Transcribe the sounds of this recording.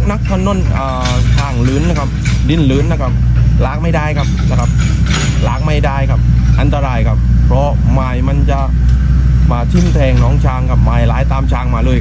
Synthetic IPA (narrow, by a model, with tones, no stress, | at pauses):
na˦˥k̚t̪ʰa˧no˧˥˨nʔaː˨˩ | t̪ʰaː˧˩ŋlɯː˦˥nːa˧kʰa˦˥˩p̚di˧˩˨nlɯː˦˥nːa˧˩kʰa˦˥p̚laː˦˥k̚ma˥˩jdaː˧˩jkʰa˦˥˩p̚la˧˩kʰa˧˥p̚ | laː˦˥k̚ma˧˥˩jdaː˧jkʰa˦˥˩p̚ʔa˧nt̪a˧ɾaː˧jkʰa˦˥˩p̚pʰːɾɔ˦˥ | maː˧˩jma˧nt͡ɕa˧ | maː˧t̪ʰi˧˩mt̪ʰɛː˧ŋnɔː˦˥ŋt͡ɕʰaː˧ŋkʰa˧˩p̚maː˨˩jlaː˨˦jt̪aː˧mt͡ɕʰaː˧ŋmaː˧lɤː˧jk